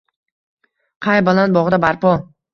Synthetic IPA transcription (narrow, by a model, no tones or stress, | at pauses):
qʰɑjbalˠan̚bɒʁd̪abaɾpɒ